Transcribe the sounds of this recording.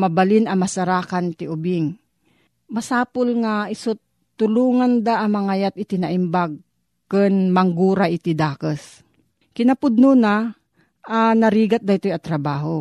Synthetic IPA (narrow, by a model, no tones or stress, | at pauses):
mɐbɐlɪnɐmɐsaɾaːkant̪ɪʔʊbɪŋ | mɐsaːpʊlŋaɪsot̪ː | ʊluːŋand̪aʔɐmaŋajat̪ɪt̪ɪnaʔɪmbaɡ̚ | kɨnmɐŋɡuːɾaʔɪt̪id̪aːkəs | kɪnɐpʊd̪̚nuːna | ʔanɐɾiːɡat̪̚d̪aɪt̪ojɐt̪ɾɐbaːɦo